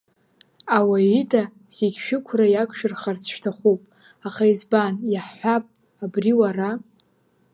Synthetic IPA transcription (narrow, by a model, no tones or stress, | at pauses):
awaidʼa | z̥eɡʲʃᶣɪkʷʰrajakʷʼʰʃᶣɪrχart͡sʰʃᶣtʰaχʷupʼ | aχaizbanjaħħʷapʼ | abriwara